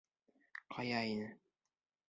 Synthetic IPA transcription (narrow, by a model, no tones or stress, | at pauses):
qʰɑjɑinɘ